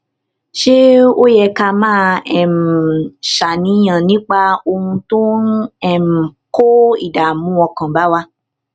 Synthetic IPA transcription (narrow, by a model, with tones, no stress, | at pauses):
ʃe˦o˦jɛ˧ka˧mãː˦ɛ˨m̩˨ʃa˨nĩ˨˦j̃ã˨nĩ˦k͡pa˧o˧hũ˧to˦ɛ˦˨m̩˨ko˦ḭ˨da˨mũ˨˦ɔ˧kã˨ba˨˦wa˧